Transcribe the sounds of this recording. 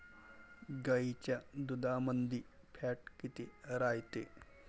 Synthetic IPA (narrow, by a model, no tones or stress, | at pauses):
ɡait͡ɕjad̪ud̪amənd̪ʱiː | pʰaʈkit̪eɾajt̪e